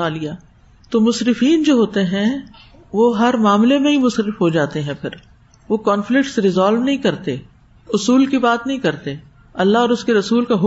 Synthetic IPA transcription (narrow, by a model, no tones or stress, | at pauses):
aːlijaː | t̪oːmʊsɾɪfiːnd͡ʒoːɦoːt̪eɦɛ̃ | ʋoɦɐɾmaːmlemẽɦimʊsɾɪfɦod͡ʒaːt̪eɦɛ̃pʰɪɾ | ʋokɔːnflɪk̚ʈsɾɪzaːlʋnɐɦĩkɐɾt̪e | ʊsuːlkibaːt̪nɐɦĩkɐɾt̪e | ɐlːaɦɔːɾʊskeɾɐsuːlkaɦ